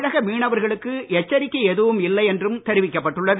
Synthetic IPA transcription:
ɻɐɣɐmiːɳɐʋɐɾɣɐɭɯkːɯɛt͡ʃːɐɾɪkːɐɛðɯʋɯmɪlːɐɪɛndrɯmt̪ɛɾɪʋɪkːɐpːɐʈːɯɭːɐʋ

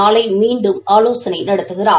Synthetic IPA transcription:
aːlɐɪmiːɳɖɯmaːloːsɐnɐɪnɐɽɐt̪ːɯɣɪraː

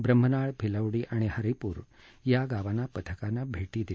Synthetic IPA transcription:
bɾəm̤ənaɭbʱiləʋɽiʔaɽ̃ehəɾipuːɾ | jaɡaʋanapət̪ʰəkanabʱeʈid̪i

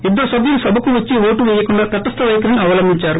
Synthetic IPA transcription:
ed̪ːoːsɐbjulusɐbʱɐkuʋɐt͡ʃːiʋoːʈuʋɛjɐkuɳɖaːt̪ɐʈːɐst̪ɐʋɐjkɐɾɐniɐʋɐlɐmbʱiɲt͡ʃaːɾu

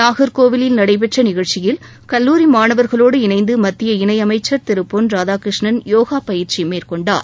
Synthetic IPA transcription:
naːɣɐɾkoːʋɪlɪlnɐɽɐɪp̬ɛʈrɐnɪɣɐɻt͡ʃɪjɪl | kɐlːuːɾimaːnɐʋɐɾɣɐɭoːɽɯɪnɐɪnd̪ɯmɐt̪ːɪjɐɪnɐɪɐmɐɪt͡ʃːɐɾt̪ɪɾɯpːonɾaːðaːkɾɪʂɳɐnjoːɣaːpɐjɪɾt͡ʃimeːrkɔɳɖa̰ːɾ

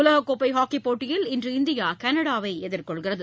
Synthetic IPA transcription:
ʊlɐɣɐkːoːpːɐɪɦaːkːipoːʈːɪjɪlɪndrɯɪnd̪ɪjaːkɐnɐɽaːʋɐɪɛðɪrkɔɭɣɪrɐðɯ

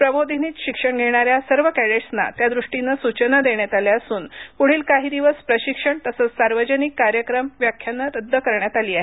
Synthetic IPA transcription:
pɾəbod̪ʱiniːt̪ɕikʂəɳɡʱeɽ̃aɾjasəɾʋəkæɽeʈsna̰t̪jad̪ɾuʂʈinːəsut͡ɕənəd̪eɳjat̪aljəsuːnpuɽ̤iːlkaɦiːd̪iʋəspɾəɕikʂəɳt̪əsəːt͡ssaɾʋəd͡ʑənikːaɾjəkɾəmʋjakʰjanːəɾəd̪ʱːəkəɾɳjat̪aliːaɦe

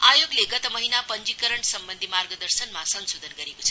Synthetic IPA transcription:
ajoɡleɡʌt̪əmʌɦinapʌnd͡ʒikəɾəɳsʌmbənd̪ʱimarɡəd̪əɾsənmasʌnsod̪ʱənɡʌɾekot͡sʰʌ

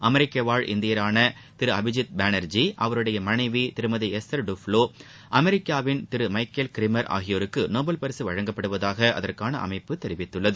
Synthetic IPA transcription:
ʔɐmɛɾɪkːɐʋaːɻʔɪ̰nd̪ɪjɐɾaːnɐ | t̪ɪɾɯɐbɪd͡ʒɪt̪̚baːnɐɾd͡ʒiʔɐʋɐɾɯɽɐjɐmɐnɐɪʋit̪ɪɾɯmɐðiɛsɐɾɖʊfloː | ʔɐmɛɾɪkːaːʋɪnt̪ɪɾɯmɐɪkːɐlkɪɾɪmɐɾʔa̰ːɣɪjoːɾɯkːɯnoːbɐlpɐɾɪsɯʋɐɻɐŋɡɐpːɐɽɯʋɐðaːɣɐʔɐ̰ðɐrkaːnɐ̰ʔɐ̰mɐɪpːɯt̪ɛɾɪʋɪt̪ːɯɭːɐðɯ

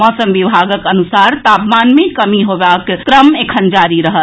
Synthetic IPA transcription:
mɔsəmbibʱaɡəkənusaɾt̪apmanmekəmiɦobakkɾəmekʰənd͡ʒaɾiɾəɦə

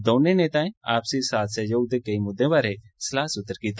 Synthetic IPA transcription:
d̪oːnẽnẽt̪ãːĩaːpsisaːt̪ʰsejɐuːd̪ekɐimʊd̪ːẽʋaːɾeslaːsʊt̪ːəɾkiːt̪

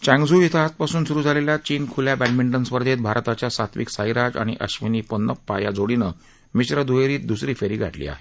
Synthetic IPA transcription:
t͡ɕãŋɡd͡zuːit̪ʰəat̪̚pasuːnsuɾuːd͡zʱaleljat͡ɕiːnkʰuljabɛnmiɳʈənspəɾd̪ʱet̪̚bʱaɾt̪at͡ɕjasat̪ʰʋḭksajɾad͡za̰ɽ̃ḭʔə̰ɕʋiniːpənːəpːajad͡zoɽinə | miɕɾəd̪ujeɾiːt̪̚d̪usɾiːfeɾiːɡʱa̰ʈlḭːa̰ɦe

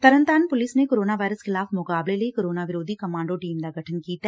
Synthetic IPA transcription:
t̪əɾənt̪aːnpʊlɪsnekoːɾoːnaːʋaːɪɾəsxɪlaːfmʊkaːbleləikoːɾoːnaːʋɪɾoːd̪ikəmãːɳɖoːʈiːmd̪aːɡʱəʈʰənkiːt̪aː

